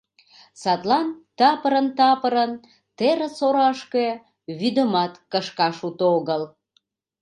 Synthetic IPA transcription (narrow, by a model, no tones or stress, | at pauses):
sɑt̪lɑnt̪ɑpəɾənt̪ɑpəɾən | t̪eɾə̆soɾɑʃke | βyd̪əmɑt̪kəʃkɑʃut̪oɣəl